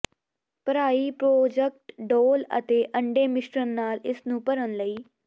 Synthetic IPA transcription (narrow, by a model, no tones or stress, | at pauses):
pəɾaːiːpɾoːd͡ʒək̚ʈɖoːlə̰t̪eːʔəɳɖeːmɪʃɾənːaːlɪsnũːpəɾənləiː